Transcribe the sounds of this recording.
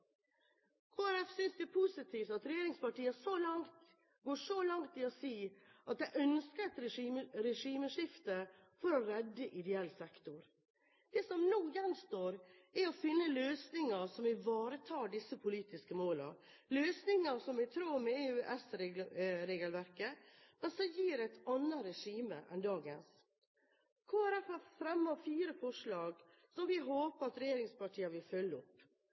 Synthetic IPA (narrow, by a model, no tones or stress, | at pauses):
kʰoːæɾɛfsʏnsd̪ɛæɾpʰusɪt̪ʰiːft̪ɑt̪ɾɛjeːɾɪŋspɑʈiːəsolɑŋt̪ | ɡoːʂɔlɑŋt̪ɪɔsiːɑt̪̚d̪ɛʔœnskəɾɛt̪ɾɛiməɾɛʂiːməʂɪft̪ə | fɔɾɔɾɛd̪ːəʔɪd̪ɛɛlːsɛkt̪ʊɾ | d̪̥ɛːsɔmnuːjɛnːst̪oːɾ | ɛɔfɪnːəløːsnɪŋəɾʂɔmɪʋɑːɾət̪ʰɑːɖɪsːəpʰʊliːt̪ɪskəmoːlə̰ | løːsnɪŋɑʂɔmʋɪt̪ʰɾuːɾmɛeʉːʔɛsɾɾeːɡəlʋæɾkəmɛnsɔmjiːɾæɪt̪ʰɑnːəɾɛʂiːməʔɛnd̪ɑːɡəns | kʰoːæɾɛfəfɾɛmːɑfiːɾəfɔʂɭɑːɡ | sɔmʋɪɦoːpəɾɑt̪ɾɛjeːɾɪŋspɑʈʰiːɑʋɪlfœlːəɔpː